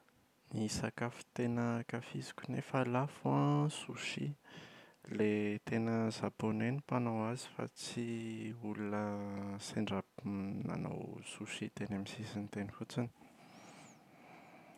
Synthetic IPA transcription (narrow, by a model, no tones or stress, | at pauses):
nisakafu̥t̪enəkafizi̥kʲunefalafuãsuʃḭ | let̪enəzabonenipanowazi̥fa̰t͡siulunəseɳɖ͡ʐabna̰no̰wsuʃid̪enamisisint̪enifut͡sini̥